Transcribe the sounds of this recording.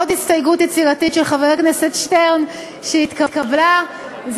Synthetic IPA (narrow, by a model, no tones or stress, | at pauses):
otistajɡutjet͡siʁatitʃelχaveʁaknesetʃteʁn | ʃeit̪kakabla | z